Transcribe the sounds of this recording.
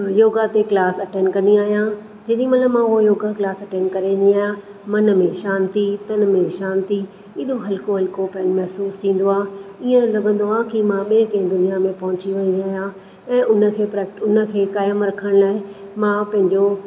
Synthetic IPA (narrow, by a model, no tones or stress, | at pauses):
joːɡat̪eklaːsɐʈẽːnkɐ̃nd̪iaːɦijã | d͡ʑɐːɗĩmɐt̪ləbmãʊɦojoːɡaklaːsɐʈẽːnkɐɾẽnd̪iaːɦjã | mɐnmẽʃãːnt̪it̪ɐnmẽʃaːnt̪i | ɪɗoɦɐlɪkoɦɐlɪkopɐnmɐɦsuːst̪ʰĩːn̆d̪oaːiẽlɐɡə̃nd̪oaːkimãɓiẽkɐ̃ɦɪ̃d̪ʊnijamẽpɐɦʊ̃t͡ɕiʋɐ̃nd̪iaːɦjã | ɛ̃ːʔʊnə̆kʰeːpɾɛːkʈʊnə̆kʰeːkaːjəmɾɐkʰəɽ̃laːɪ | mãpɐ̃ɦɪ̃ɲd͡ʑo